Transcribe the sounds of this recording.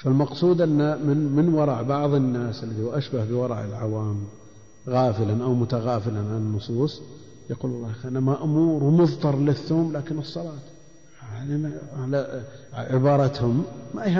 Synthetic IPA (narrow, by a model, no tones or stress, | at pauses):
falmɑqsˤuːd̪ʔanːamɪnmɪnwɑɾˤɑʕbɑʕðˤɪnːaːsalːaðiwʔaʃbahbɪwɑɾˤɑ̰ʕʔɪ̰lʕawaːm | ɣaːfɪlanʔawmʊt̪aɣaːfɪlanʕananːʊsˤuːsˤ | jaquːllˤːɑːxʔnamaʔʊmuːɾwmʊðt̪ɑɾˤlɪθːoːmlaːkɪnɨsˤːɑlɑːt̪ | ħʕalnalaʕɪbɑːɾˤɑt̪hʊmːaʔia